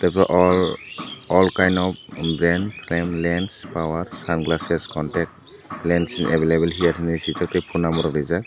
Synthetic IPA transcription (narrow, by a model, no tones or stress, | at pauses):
tapaʔɔl | ɔlkajnɔp̚bɾɛnpʰɾemlenspawaɾsanɡlaseskɔntɛk̚t̚ | lɛnsnʔebelebelɦiatʰinisitʰak̚tejpʰunamɔɾɔɾizak̚